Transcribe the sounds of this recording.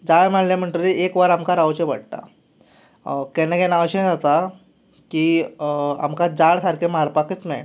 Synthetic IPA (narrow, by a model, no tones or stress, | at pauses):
d͡zaɭm̤aɽljam̤əɳʈəɾiekʋaɾamkaɾawt͡ɕeʋaɽʈ̪a̰ | kɛnãkɛnaəɕẽd͡zat̪a | ki | a̰mkad͡zaɭsʰaɾkʰemaɾpakət͡smɛ̰